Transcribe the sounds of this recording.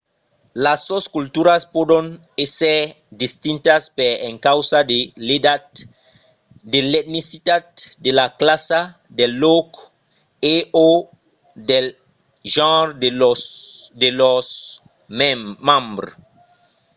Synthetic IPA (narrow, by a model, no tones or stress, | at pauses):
lasːoskult̪uɾaspodõn | ese | d̪ist̪ĩnt̪aspeɾẽŋkawsadeleda | d̪elet̪̚nisit̪ad̪̚d̪elaklasa | d̪elːok | eo | de | ʒãɾd | d̪elos | mãmbɾo